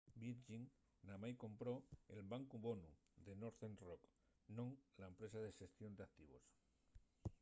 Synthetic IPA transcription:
biɾʝiŋ | namajkõ̞mpɾo̞ḛlβaŋkuβo̞nu | ðe̞noɾθenrok | nõŋlaempɾe̞saðeʃe̞st̪jond̪eak̚t̪iβ̞o̞̰s

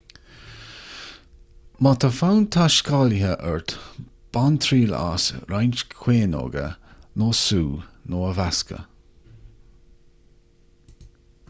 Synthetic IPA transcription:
mat̪əfawnt̪ʰaʃkalhəʔɛɹt̪ | b̥ant̪ʰɾiːla̰sɾajnt͡ʃkʰweːno̰ːɡə̰noːsuːnoːəvaskə̰

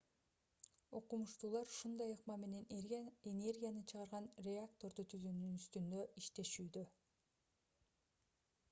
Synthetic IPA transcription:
o̞qumuʃt̪uːlˠɑɾʃund̪ɑjɯqmɑme̞ne̞nene̞rɡʲijanɯt͡ʃʰɯʁɑɾʁɑnrʲeakt̪o̞ɾd̪ut̪ʰyzynynyst̪ynd̪ø̞ʔiʃt̪e̞ʃyːd̪ø

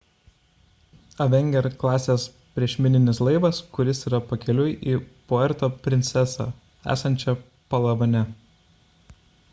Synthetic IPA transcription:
ɐʋʲɛŋʲɡʲɛɾklˠɑːsʲeːs | pʲɾʲiɛʃʲmʲɪnʲɪnʲɪslˠɐɪʋɐskʊɾʲɪsiːɾɐpɐkʲɛlʲʊjɪʔiːpoɛɾt̪oːpʲɾʲɪnʲt̪sʲɛsɑ̰ː | æ̰ːsɐnʲt͡ʃʲɛ | pɐlˠɐʋɐnʲɛ

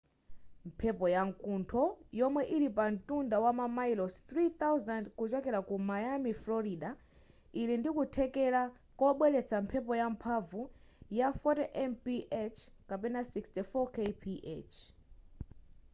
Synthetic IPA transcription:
m̩pʰɛpɔjaŋkuntʰɔjɔmwɛʔilipan̩tundawamamailɔst̪ɾit̪awzandkut͡ʃɔkɛɾakumajamiflɔɾiɗa | ilindikutʰɛkɛɾa | kɔɓwɛlɛt͡sʰampʰɛp̬ɔjampʰavujafɔtɛʔɛnpiʔɛt͡ʃʰkapɛnasikstifɔkepʰiʔɛ̰t͡ʃʰ

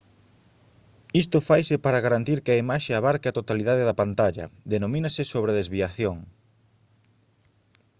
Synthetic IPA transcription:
ist̪ʊfajsɪpaɾɐɣaɾant̪iɾkɪɐimaʃeaβaɾkɪat̪ot̪aliðaðɪðɐpant̪aʎɐ̰ðenomĩnasɪsoβɾeðezβiaθjoŋ

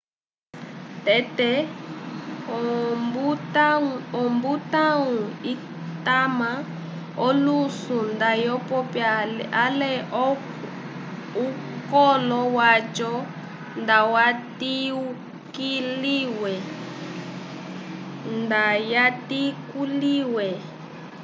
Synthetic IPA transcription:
tɛtɛ | butaɔmbutaŋui | tama | ɔlusundajɔpɔpjaalɛ | u | kɔlɔwat͡ʃɔ | ndawatiu | kiliwɛ | ndajatikuliwɛ

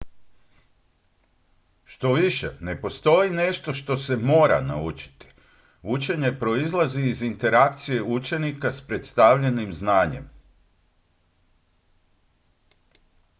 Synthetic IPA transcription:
ʃt̪o̞ʋiʃḛne̞po̞st̪o̞jine̞ʃt̪o̞ʃt̪o̞se̞mo̞ːɾa̰na̰ut͡ʃi̥t̪i̥ | ut͡ʃe̞ɲe̞pɾo̞izlˠaziːzint̪e̞ɾak̚t̪sije̞ut͡ʃe̞nikaspɾe̞t̪st̪aʋʎe̞nimznaːɲe̞̰m

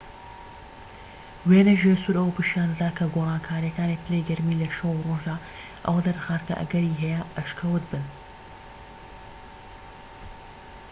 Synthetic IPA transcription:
weːnɐʒesuɾʔɐwpɨʃjaːndɐd̪aːkʰɐɡorˤɑːnkʰaːɾijɐkaːnipɨlejɡɐɾmiːlɐʃɐwuroːʒd̪aː | ʔɐ̰wɐd̪ɐɾxaːɾkɐ̰ʔɐ̰ɡɐɾiːɦɛjɐʔɐʃkʰɐwɨt̪̚bɨn

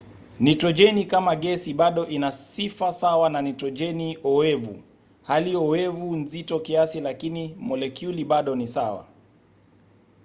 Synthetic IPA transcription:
nitɾɔd͡ʒɛnikamaɠɛsiɓaɗɔʔinasifasawananitɔd͡ʒɛniɔɛvṵ | haliɔwɛvunzitɔkiasilakinimɔlɛkjuliɓaɗɔnisawa̰

